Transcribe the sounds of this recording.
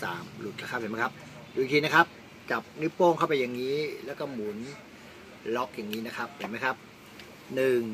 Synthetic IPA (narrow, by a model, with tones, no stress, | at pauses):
saː˩˦mlu˨˩t̪̚la˧˦ka˥˩p̚ʰhm˦˥kʰa˦˥p̚ | du˧ŋt̪ʰiː˧na˦˥kʰa˦˥p̚ | t͡ɕa˨˩p̚nɯ˦˥pːoː˥˩ŋkʰa˥˩wpa˧jːa˨˩ŋːiː˦˥lɛː˦˥wkɔː˥˩mu˨˩˦n | lɔ˦˥k̚ja˨˩ŋːiː˦˥na˦˥kʰa˦˥p̚he˨˩˦ma˦˥jkʰa˦˥p̚ | nɯ˨˩ŋ